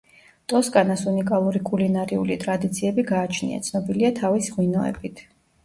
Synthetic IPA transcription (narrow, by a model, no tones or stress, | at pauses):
t̪ʼɔskʼanasunikʼalˠuɾikʼulinaɾiulit̪ʼɾad̪it̪sʰiɛbiɡaːt͡ʃʰnḭa̰t̪sʰnɔbiliat̪ʰavisʁwinɔɛ̰bit̪ʰ